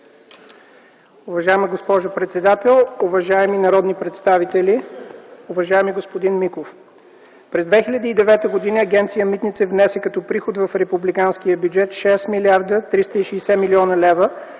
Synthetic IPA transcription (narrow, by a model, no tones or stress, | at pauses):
uvɐʒaɛmiɡospɔʒopɾɛt̪sɛd̪at̪ɛlˠuvɐʒaɛminɐɾɔd̪nipɾɛt̪st̪avit̪ɛli | ʊvɐʒaɛmiɡospod̪inmikof | pɾɛzd̪vɛxilʲɐd̪iːd̪ɛvɛt̪əɡod̪inəːɡʲɛnt̪sijəmit̪nit̪sɛvnɛsɛkɐt̪ɔpɾixot̪vɐfɾɛpublikanskijəbjud͡ʒɛt̪ʃɛsmiliaɾd̪ət̪ɾist̪əiʃɛːsɛmiliɔnəlɛvə